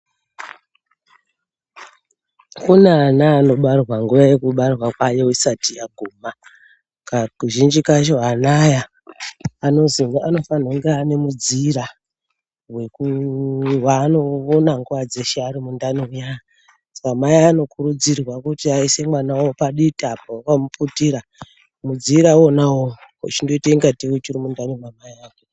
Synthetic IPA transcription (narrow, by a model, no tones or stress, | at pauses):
kunaːnaːno̞ɓarrwaŋɡuʋaje̞kuɓarwakwajeisatijaɡʱuːma | kakuʒind͡ʒikat͡ʃoɦanajaː | no̞ziŋano̞fanoŋɡeane̞mud͡ziɾa | we̞ku | wano̞onaŋɡuad͡zeʃaɾimundanoujaja | sḁkamajiano̞kuɾud͡zirwakutiaise̞mwanawopaɗitapawakamuputiɾa | mud͡ziɾaonawowo̰t͡ʃindo̞itaiŋɡatiwet͡ʃiɾimundanomamajaːko